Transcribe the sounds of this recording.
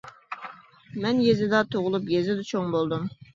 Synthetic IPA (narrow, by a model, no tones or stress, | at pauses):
mɛnjezɪd̪ɑt̪ʰoʁʊlˠupjezɪd̪ɛt͡ʃʰoŋbolˠd̪um